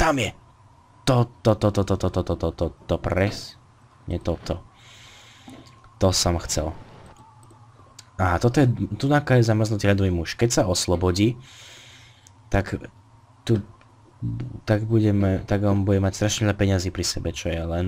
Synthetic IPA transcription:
t̪amjɛ | t̪ɔt̪ɔt̪ɔt̪ɔt̪ɔt̪ɔt̪ɔt̪ɔt̪ɔt̪ɔt̪ɔpɾɛs | ɲɛt̪ɔt̪ɔ | t̪ɔsɔmxt͡sɛ̰l | aɦat̪ɔt̪ɔjɛt̪unakajɛzamr̩znut̪iːʎad̪ɔʋimuʃkɛcsaɔslɔbɔɟiː | t̪ak | t̪u | t̪aɡbuɟɛmɛt̪aɡɔnbuɟɛmacst̪ɾaʃɲɛʎapɛɲaziːpɾisɛbɛt͡ʃɔjɛlɛn

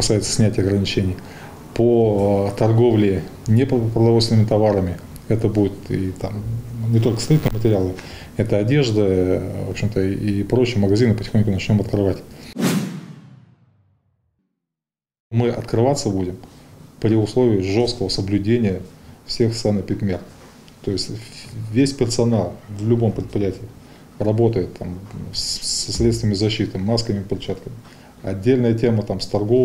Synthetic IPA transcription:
kɐ̥sajɪt̪sə̥sʲnʲætʲɪjɐɡɾənʲɪt͡ɕenʲɪj | pot̪ɐrɡo̞vlʲɪnʲeppɾəd̪ɐvost̪ʲnəmʲɪt̪ɐvaɾəmʲɪ | ɛt̪əbudʲɪt̪it̪amnʲɪt̪o̞lʲkəst̪lʲit̪ʲnəɪmətʲɪɾʲɪalˠəɪ | ɛt̪əɐdʲe̞ʐd̪əvo̰pɕɪmt̪əipɾo̞t͡ɕːɪjəməɡɐzʲinɨpətʲɪ̥xo̞nʲkʊnɐt͡ɕnʲo̞mɐt̪kɾɨvatʲ | mɨɐt̪kɾɨvat̪səbudʲɪmpɾʲɪʊslˠo̞vʲɪɪʐo̞st̪kəvəsəblʲʉdʲenʲɪjəfsʲe̞xst̪ɾanɨpʲɪt̪ʲmʲer | t̪o̞jɪsʲtʲvʲesʲpʲɪrsɐnalˠvlʲʊbo̞mpɾʲɪt̪pɾʲɪjætʲɪɪ | rɐbo̞t̪əjɪt̪ʰːam | ɐsɾʲet̪st̪vʲəmʲɪzɐɕːit̪ɨmaskmʲɪpʲɪrt͡ɕat̪kəmʲɪ | ɐ̰dʲːelʲnəjətʲe̞mət̪amst̪ɐrɡo̞

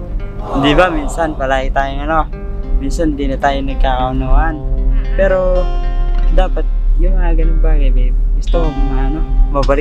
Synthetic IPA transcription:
hɪnd̪ibaminsanpɐlaːɡɪt̪aːjoŋɐno | minsanhnd̪inɐt̪aːjonɐɡ̚kakaʊnoːʔanpɛːɾo | d̪aːpat̪̚jʊŋaɡanʊŋbaːɡajbɛɪst̪ommaʔɐnomabɐlɪ

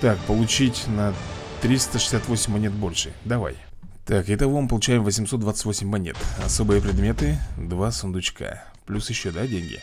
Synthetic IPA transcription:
t̪ak̚pəlˠʊt͡ɕitʲnət̪ɾʲist̪əʂɨ̥sʲat̪vo̞sʲɪmʲmɐnʲet̪̚bo̞lʲʂɨd̪ɐva̰j | t̪akɪt̪ɐvo̞mɨpəlˠʊt͡ɕæjɪmvəsʲɪmsot̪d̪vat̪sɨtʲvo̞sʲɪmʲːɐnʲe̞t̪ɐ̰so̞bɨjəpɾʲɪd̪mʲe̞t̪ɨd̪vasʊnd̪ʊt͡ɕkʰa̰ | plʲusjɪɕːod̪adʲenʲɡʲɪ̰

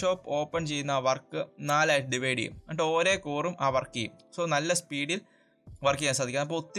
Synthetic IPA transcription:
o̞ːpːo̞ːpːɐnt͡ɕe̞jːunːɐaːʋɐrkːɨnaːlaːjʈːɨɖiʋeːɽḭjṵmɐɳɖo̞ːɾe̞ːkuːrumʔaːʋɐrkːijṵmso̞ːnɐlːɐspiːɽil | ʋɐrkijaːns̬ad̪ikːanɐp̬ːoːut̪ːi

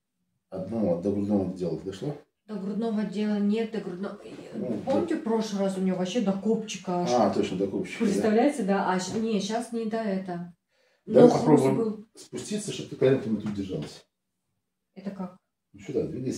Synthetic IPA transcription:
ɐd̪nɐd̪əɡɾʊd̪novəd̪ədʲelˠət̪d̪ɐʂlˠo | d̪əɡɾʊd̪novədʲe̞lˠənʲe̞t̪̚d̪əɡɾʊd̪nopomnʲɪtʲɪpɾo̞ʂlˠɨrasʊnʲɪvovɐɕːe̞d̪ɐkopt͡ɕːɪ̥kəat̪o̞t͡ɕnəd̪ɐkopɕɪ̥kpɾʲɪt̪st̪ɐvlʲæjɪt̪sʲəd̪aʔɐɕnʲeɕasnʲɪd̪aɛt̪ə | naoɐpɾobʊjɪmbɨlˠspʊsʲtʲit̪səʂt̪ob̚t̪ɨkɐlʲent̪mɨt̪ut̪̚dʲɪrʐalˠəsʲ | ɛt̪əkak̚ | nut͡ɕud̪ad̪vʲedʲe

